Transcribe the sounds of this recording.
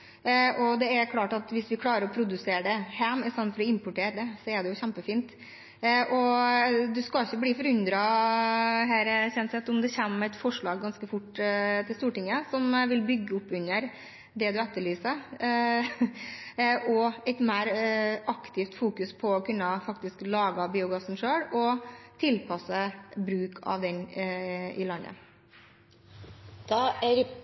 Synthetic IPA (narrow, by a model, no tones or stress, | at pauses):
ʔɔd̪ɛɛkʰlɑːʈɑt̪ʋɪsʋɪkʰlɑːɾəɾɔpʰɾʊd̪ʉseːɾəd̪ɛhæːmɪsɑnfɔɾɔɪmpʊʈeːɾəd̪ɛsɔɛɖ̪ɛjʊçæmpəfiːnt̪ | ʔɔd̪ʉskɑɪçːəbliːfɔɾʉnd̪ɾɑ | ɦæːɾçɛnsɛt̪ːʊmd̪ɛçɛmːæɪt̪fɔʂɭɑːɡːɑnskəfʊʈt̪ʰɪlst̪uːʈɪŋːəsɔmʋɪlbʏɡːəʊpːʉnːəɾ | d̪ɛd̪ʉæt̪ːəɭyːsə | ɔɛɪt̪mæːɾɑkt̪ʰɪft̪fuːkʉspʰɔːkʰʉnːəfɑk̚t̪ɪsklɑːɡɑbiːʊɡɑsn̩ʂøːɽɔt̪ʰɪlpʰɑsːəbɾʉːkʰɑ̰ʋd̪ɛn | ɪ̰lɑnːə̰ | d̪̥ɑːæɾ